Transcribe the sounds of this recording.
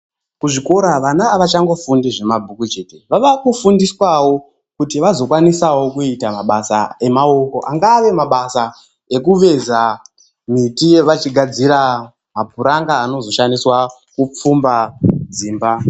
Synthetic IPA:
kuʐiko̞ɾaʋanaːʋat͡ʃaŋɡo̞fundiʐe̞mabʱukut͡ʃe̞teʋaʋakufundiswawo̞ | kutiʋazo̞kwanisawo̞kuitamaɓasa̰e̞mao̞ko̞ʔaŋɡaːʋe̞maɓasa | e̞kuʋe̞za | mitije̞ʋat͡ʃiɡʱad͡ziɾa | mabʱuɾaŋɡaːno̞zo̞ʃaniswa | kup͡fumbad͡ziːmba

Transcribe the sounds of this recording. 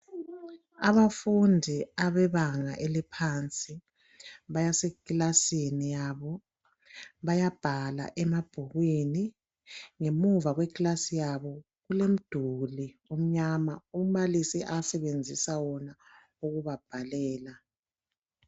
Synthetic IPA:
aβafundʱiaβɛβaŋa̰ʔelipʰant͡sʼi | βajasekilasinijaβɔ | βajab̥ʱala̰ʔɛmab̥ʱuɣwini | ŋemuvaɣwɛkʼlasijaβɔ | ɣulem̩d̥ʱuliom̩ɲamaumalisiʔasɛβend͡zʱisawɔna | uɣuβab̥ʱalɛːla

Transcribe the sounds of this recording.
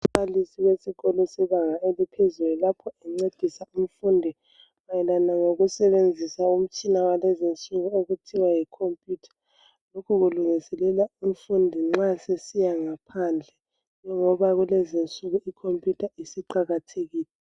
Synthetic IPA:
alisiwesiɣɔlɔsɛβaŋaelipʰezululapʰɔɛŋ͡ǀed̥ʱisaum̩fuːndʱi | majɛlanaŋoɣusɛβend͡zʱisaum̩t͡ʃʼinawalɛzint͡sʼuɣueɣutʰiwajikʰompʼjutʰḁ | lokʰuɣuluŋisɛlɛlaum̩fundʱiŋ͡ǁasesijaŋapʰand͡ɮʱɛ | d͡ʒɔŋɔβaɣulɛzint͡sʼuɣuikʰompʼjutʰaisiǃaɣatʰeɣiːlɛ

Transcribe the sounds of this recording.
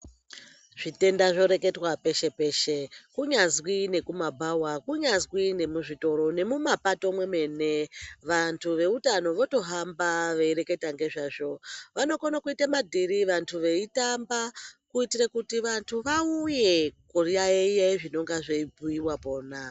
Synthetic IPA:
ʐ̥ite̞ndaʐo̞ɾe̞ke̞twape̞ʃe̞pe̞ːʃekuɲazwine̞kumabʱawakuɲazwine̞muʐito̞ɾo̞ne̞mumapato̞mwe̞me̞ne̞ʋantʰuʋe̞utano̞ʋo̞to̞ɦambaʋe̞iɾe̞ke̞taŋɡe̞ʐaːʐo̞ʋano̞konakuitamadʱiɾiʋantʰuʋe̞itambakuitiɾekutiʋantʰuʋauje̞koriaeijeʐino̞ŋɡaʐeibʱuiwapo̞ːna

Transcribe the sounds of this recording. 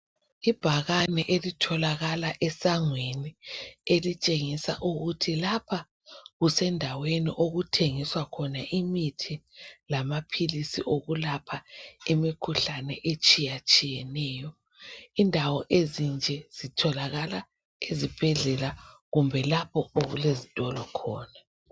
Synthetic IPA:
ib̥ʱaɣanɛʔelitʰɔlaɣalaʔɛsaŋwenielit͡ʃʼeŋisa̰ʔuɣutʰilapʰa | ɣusɛndʱaweniʔoɣutʰeŋiswakʰɔnaʔimitʰilamapʰilisḭʔoɣulapʰaemikʰuɬanɛ̰ʔet͡ʃʼijat͡ʃʼijɛnɛːjɔ | indʱawɔʔezind͡ʒʱɛz̥itʰɔlaɣala | ezib̥ʱɛɮɛla | ɣumbʱɛlapʰɔoɣṵlezitʼɔlɔkʰɔːna

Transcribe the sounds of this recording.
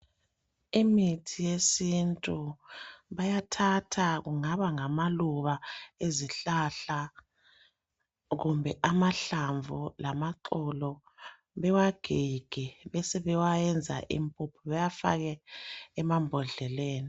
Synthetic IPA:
imitʰijesintʼu | βajatʰatʰaɣuŋaβaŋamaluβaeziɬaɬa | ɣumbʱɛʔamaɬaɱvʱulamaǁɔlɔ | βɛwaɡ̥ʱiɡ̥ʱɛβɛsɛβɛwajɛnd͡zʱa̰ʔḭmpʼupʰɔβajafa̰ɣɛː | mambʱɔɮɛleːni

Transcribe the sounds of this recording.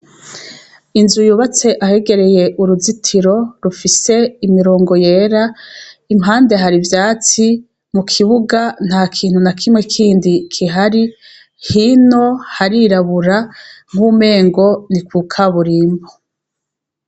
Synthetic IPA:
inzujuβat͡se̞ʔahe̞ɡe̞ɾe̞je̞ʔuɾuzitʰiɾo̞ɾufise̞imiɾo̞ːŋɡo̞jeːɾaimɦaːnde̞ɦaɾivjaːt͡si | mukʰiβuɡan̥haːkʰiːn̥hunakʰimŋe̞kʰiːndikʰiɦaɾi | hino̞haɾiɾaβuɾaŋ̥uːme̞ːŋɡo̞nikwukʰaβuɾiːmbo

